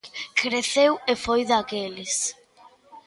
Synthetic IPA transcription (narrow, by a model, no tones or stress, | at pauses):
kɾeθewefojðakeles